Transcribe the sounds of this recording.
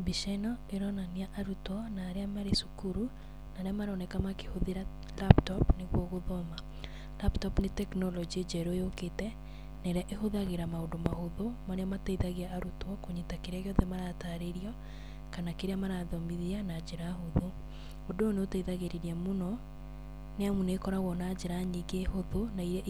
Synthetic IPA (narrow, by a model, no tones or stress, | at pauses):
biʃanɔeɾɔnaniaʔaɾutɔnaːɾeamaɾesukuɾu | naɾeamaɾɔnɛkamake̥hoðeɾa | laptɔpneɣwɔɣoðɔma | laptɔpnetɛknɔlɔd͡ʒied͡ʒɛɾoeoketɛ | nɛɾɛaʔehoðaɣeɾamaodomahoðomaɾeamataiðaɣeaːɾutwɔkoɲetakeɾeaɣejɔðɛmaɾataːɾeɾiɔ | kanakeɾeamaɾaðɔmiðianad͡ʒeɾaɦoðo | odooneotaiðaɣeɾeɾiɛmonɔ | neamunekɔɾaɣwɔnad͡ʒeɾaɲiɡehoðonaiɾɛ